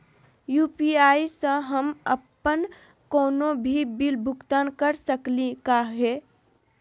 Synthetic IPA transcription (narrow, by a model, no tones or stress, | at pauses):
jupiaisə̃ɦəmə̰pːən | koːnobʱibilbʱʊkt̪ankəɾsəklikaɦɛ